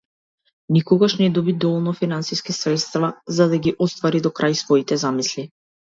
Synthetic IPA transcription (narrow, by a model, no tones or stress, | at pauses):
nikɔɡaʃnɛd̪ɔbid̪ɔvɔlˠnɔfinansiskisɾɛt̪st̪vazad̪aɡiʔɔst̪vaɾid̪ɔkɾʔajsvɔit̪ɛzamisli